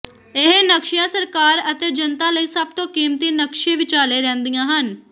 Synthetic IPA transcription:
ɪɦnəkʃɪjãːsəɾkaːɾət̪eːd͡ʒənt̪ãːləiːsəb̚t̪õːkiːmt̪iːnəkʃiːʋɪt͡ʃaːleːɾɛ̃ːnd̪ijãːɦən

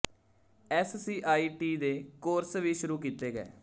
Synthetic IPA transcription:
ɛːssiːʔaːiːʈiːd̪eːkoːɾsʋiːʃʊɾuːk̬iːt̪eːɡɛ̰ː

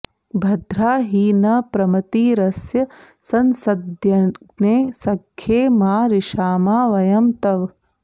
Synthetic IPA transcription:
bʱɐd̪ʱɾaːɦiːnɐpɾɐmɐt̪iːɾɐsjɐ | sɐnsɐd̪jɐ | neːsɐkʰjeːmaːɾiʃaːmaːʋɐjɐmt̪ɐʋ

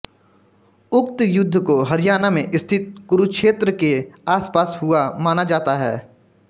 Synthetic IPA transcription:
ʊkt̪jʊd̪ʱːəkoɦɐɾɪjaːnamẽʔɪst̪ʰɪt̪̚kʊɾukʃeːt̪ɾəkeaːspaːsɦʊamaːnad͡ʒaːt̪aɦɛː

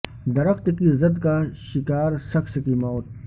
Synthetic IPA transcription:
d̪ɐɾəxt̪kizɐd̪kaʃɪkaːɾsɐxskimɔːt̪̚

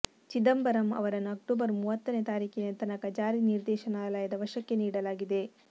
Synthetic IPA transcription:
t͡ʃid̪ɐmbɐɾɐmɐ̰ʋɐɾɐnːɐk̚ʈoːbɐɾmuːʋɐt̪ːɐnet̪aːɾiːkinɐt̪ɐnɐkɐd͡ʒaːɾiniɾd̪ɛːʃɐnaːlaːjɐd̪ɐʋɐʃɐkːe̞niːɽɐlaːɡid̪e̞

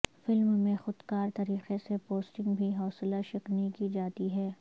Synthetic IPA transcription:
fɪlmmẽxʊd̪kaːɾt̪ɐɾiːqesepoːsʈɪ̃ŋɡbʱiɦɔːslaʃɪqnikid͡ʒaːt̪iɦɛː

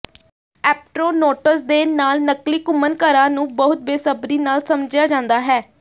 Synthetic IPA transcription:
ɛːp̚ʈɾoːnoːʈəsd̪eːnaːlnəkliːkʊmənkəɾãːnũːbəɦʊt̪̚beːsəbɾiːnaːlsəmd͡ʒɪjaːd͡ʒãːnd̪aːɦɛː

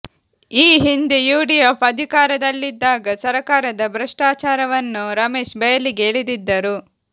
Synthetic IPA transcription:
iːɦind̪ijuːɖijɔːpɐd̪ʱikaːɾɐd̪ɐlːid̪ːaːɡɐsɐɾɐkaːɾɐd̪ɐbɾɐʂʈaːt͡ʃaːɾɐʋɐnːuɾɐme̞ːʃbɛjɐliɡeːɭid̪id̪ːɐɾu

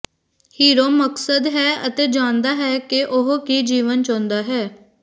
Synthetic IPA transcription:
hiːɾoːməksəd̪ɦɛːət̪eːd͡ʒaːnd̪aːɦɛːkɪʔʊɦkiːd͡ʒiːʋənt͡ʃõːnd̪aːɦɛː

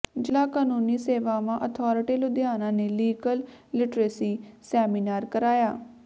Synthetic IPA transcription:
d͡ʒɪlaːkaːnuːniːseːʋaːʋãːʔət̪ʰɔːɾɪʈiːlʊd̪jaːnãːneːliːɡəl | lɪʈɾeːsiːsɛːmiːnaːɾkəɾaːjaː

